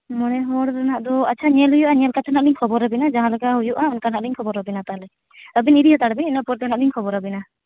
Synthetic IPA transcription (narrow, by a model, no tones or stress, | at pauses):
mɔnɛɦɔɽɾanaʔd̪ɔat͡ʃʰaɲɛlɦujuʔaɲɛlkat̪ʰanaʔ̚liɲkʰɔbɔɾəbinad͡ʒaɦãlɛɡaɦujuʔaunkanaʔ̚liɲkʰɔbɔɾəbinat̪alɛ | əbiniɾihɔt̪aɽəbininapɔɾt̪ʰanaʔ̚diɲkʰɔbɔɾəbina